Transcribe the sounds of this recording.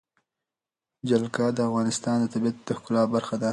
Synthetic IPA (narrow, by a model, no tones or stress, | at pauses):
d͡ʒalkɑd̪əafɣɑnɪst̪ɑːnd̪ət̪abijat̪̚d̪əxkʊlɑbaɾxad̪a